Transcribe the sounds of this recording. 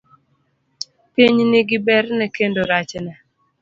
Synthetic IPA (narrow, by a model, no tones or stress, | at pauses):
piɲnɪɡɪbɛɾnɛkendoɾat͡ʃna